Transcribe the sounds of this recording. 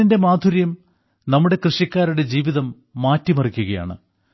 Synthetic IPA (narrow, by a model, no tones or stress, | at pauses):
inde̞maːd̪ʱuɾjɐm | nɐmːuɽe̞krɨʂjɐkʲːaːɾuɽe̞d͡ʑiːʋiðɐmː | aːtːimɐrikʲːuɣɐja̰ːɳɨ̰